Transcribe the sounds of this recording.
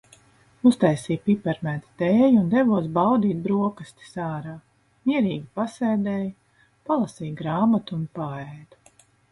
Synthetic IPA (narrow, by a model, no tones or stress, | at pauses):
ust̪ajsiːjpipɛɾmæːt̪i̥t̪eːjund̪ɛvuɔs̬bawd̪iːt̪̚bɾuɔkast̪i̥saːɾaː | miɛɾiːɡʲipasɛːd̪ɛːj | palˠasiːɡɾaːmat̪uːnpaɛjd̪̥u